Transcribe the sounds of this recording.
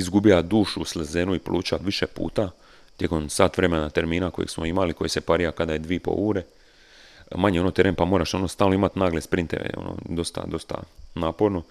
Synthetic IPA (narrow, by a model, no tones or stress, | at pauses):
izɡubiad̪uːʃuslezeːnuiplʔuːt͡ʃaʋiʃepṵːt̪a | t̪jeko̞msaːt̪ʋɾe̞menat̪eɾmiːnako̞jḛɡsmo̞imaliko̞jese̞paɾijakad̪ajed̪ʋipo̞̰uːɾe | maɲeo̞not̪e̞ɾʔenpamo̞ːɾaʃo̞nost̪aːlnoimat̪naːɡlespɾint̪ḛʋḛo̞̰no̰d̪o̞st̪a̰d̪o̞st̪a̰naːpo̞ɾno̞